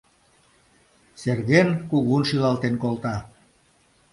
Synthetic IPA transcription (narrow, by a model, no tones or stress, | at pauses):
serɣenkuɣunʃilɑlt̪enkolt̪ɑ